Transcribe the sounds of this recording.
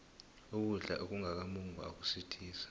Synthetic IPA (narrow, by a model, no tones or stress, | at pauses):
uk̬uɮa̰ʔok̬uŋak̬amuŋua̰k̬u̥sitʰiːsḁ